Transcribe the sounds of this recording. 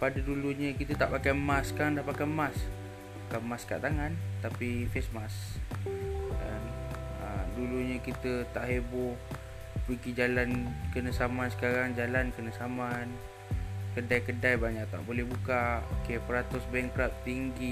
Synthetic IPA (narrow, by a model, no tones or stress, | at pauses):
padəduluɲə̃kit̪ət̪aʔpakajmasːə̥kaɾaŋdahpakamas | kamaska̰ʔt̪aŋant̪apifesmas | da̰nə̰duluɲə̃kit̪ət̪aʔhebʊ | pəɡid͡ʒalankənəsamansə̥kaɾaŋd͡ʒalankənəsaman | kədajkədajbaɲaʔt̪a̰ʔbolɛhbukaokepəɾat̪ʊsbɛŋkɾap̚t̪iŋɡi